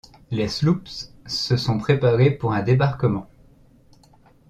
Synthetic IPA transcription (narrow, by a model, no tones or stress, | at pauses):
leslupsː | əsɔ̃pχepaʁepuʁɛ̃d̪ebaʁkəmɑ̃